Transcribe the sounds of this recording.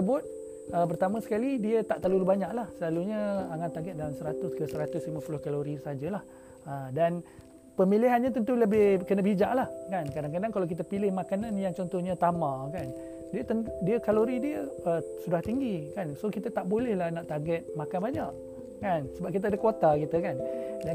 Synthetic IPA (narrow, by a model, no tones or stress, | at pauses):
səbʊt̪̚ | əp̬ərt̪amãsə̥kalidiət̪aʔt̪alulubaɲãʔlahsəlaluɲəaŋant̪aɡɛt̪̚dalamsəɾat̪ʊskəsəɾat̪ʊslimapulʊhkaloɾisad͡ʒəlah | ədan | pəmiliɦanɲãt̪ənt̪uləbɪhkənabid͡ʒaʔlahkankadaŋkadaŋkalawk̬it̪̬əpilɪhmakananjaŋt͡ʃɔnt̪ɔhɲət̪amãkan | diət̪əndiəkaloɾidiəəsudaht̪iŋɡikansokit̪ət̪aʔbolɛhlahnaʔt̪aɡɛt̪̚makanbaɲaʔ | kansəbap̚kit̪əadəkwot̪akit̪əkandan